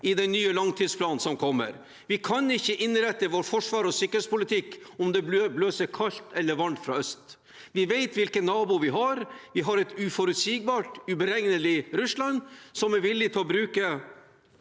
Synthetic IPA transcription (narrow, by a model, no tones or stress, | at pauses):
ɪd̪ɛnːyːəlɑŋt̪ʰiːd̪spʰlɑːnnsɔmkʰɔmːə̰ɾ | ʋɪkʰɑnɪçːəʔɪnɾɛt̪ːəʋoːɾfɔʂʋɑːɾɔsʏkːəɾɛspʊlɪt̪ʰɪkː | ɔmd̪ɛbløːsəɾkʰɑlt̪ʰɛlːəɾʋɑɳt̪fɾɑ̰œst̪ | ʋɪʋeɪt̪ʋɪlkənːɑːbʊʋɪɦɑɾʋɪɦɑɾɛt̪ʉfɔɾʉt̪siːɡ̚bɑːʈʉbəɾɛŋnəlɪɾʉslɑnsɔmɛɾʋɪlːɪt̪ʰɪlɔbɾʉːkə